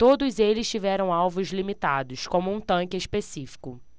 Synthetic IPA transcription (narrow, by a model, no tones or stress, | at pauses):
t̪od̪ʊzelɪst͡ʃivɛɾɐ̃w̃awvʊzlimit̪ad̪ʊskõmʊũt̪ɐ̃kɪespesifi̥kʊ